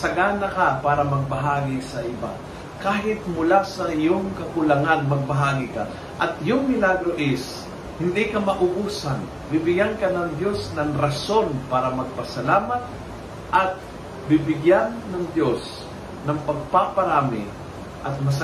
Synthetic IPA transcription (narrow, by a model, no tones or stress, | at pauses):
sɐɡanɐkapaːɾɐmɐɡ̚bɐɦaːɡɪsɐʔɪba̰ | kaːɦɪt̪̚mʊlasɐʔɪjoŋkɐkʊlɐŋanmɐɡ̚bɐɦaːɡɪka̰ | ʔɐt̪jʊŋmɪlaɡɾoʔɪs | hɪnd̪ikɐmɐʔʊɡuːsɐn | bɪbɪɡankɐnɐŋd̪jo̞snɐŋɾɐso̞npaːɾɐmɐɡ̚pɐsɐlaːmɐt̪̚ | ʔɐt̪̚ | bɪbɪɡjanːɐŋd̪jo̞s | nɐŋpɐɡ̚papɐɾaːmɪ̰ | ʔɐt̪̚mɐs